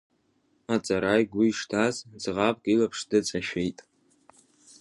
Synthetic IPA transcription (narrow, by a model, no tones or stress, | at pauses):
at͡sʼaɾajɡʷiʂtʰazd͡zʁapʼɡʼilapʰʂdɨt͡sʼaʃejtʼ